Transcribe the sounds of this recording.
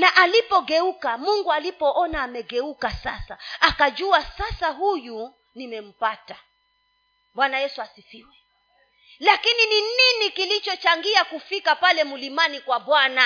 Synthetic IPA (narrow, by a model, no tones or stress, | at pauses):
naʔalipɔɡɛukamuŋɡualipɔʔɔnaːmɛɡɛukasasaakad͡ʒuasasaɦuju | nimɛm̩pata | ɓwanajɛsuasifiwɛ | lakininininikilit͡ʃɔt͡ʃaŋɡiakufikapalɛmulimanikwaɓwana